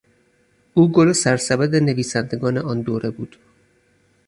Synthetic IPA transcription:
ʔuːɡolosæɾsæbæd̪ene̞viːsænd̪e̞ɡɒːneɒːnd̪oːɾʔe̞buːd̪̥

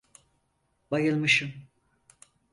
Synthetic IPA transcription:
bajɯlˠmɯʃɯm

